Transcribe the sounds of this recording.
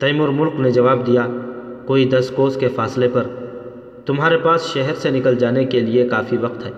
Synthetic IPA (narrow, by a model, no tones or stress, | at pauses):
t̪ɐjmʊɾmʊlkned͡ʒɐʋaːbd̪ijakoːid̪ɐskoːskefaːslepɐɾ | t̪ʊmɦaːɾepaːsʃɛɦɛɾsenɪkəld͡ʒaːnekeliekaːfiʋɐqt̪ɦɛː